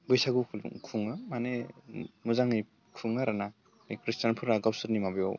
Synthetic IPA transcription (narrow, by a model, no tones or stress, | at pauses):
bɯjsaɡukʰl̰kʰuŋɯmanemuzaŋɯj | kʰɯŋaɾana | ipɾistanpʰɯɾaɡawsɯɾnimabjɔ̰w